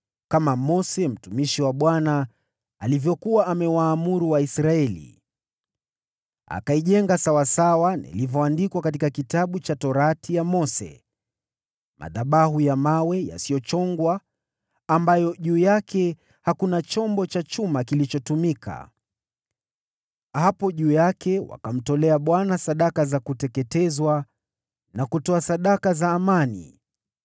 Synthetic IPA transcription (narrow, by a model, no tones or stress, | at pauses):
kamamɔsɛm̩tumiʃiwaɓwanaː | livjɔkuwaʔːmɛwaːmuɾuwaisɾaɛlḭ | a̰kaiʄɛŋɡasawasawanḭlivɔandikwakat̬ikakitaɓut͡ʃatɔɾatijamɔsɛ̰ | mʔa̰ðaɓaɦujamawɛja̰siɔt͡ʃɔŋɡwaː | mbajɔʄuːjakɛ | hakunat͡ʃɔmbɔt͡ʃat͡ʃumakilit͡ʃɔtumikʰa̰ | hapɔʄuːjakɛwa̰kam̩tɔlɛaɓwanasaɗakazakutɛkɛtɛzwa | nakutɔasaɗakazaːmanḭ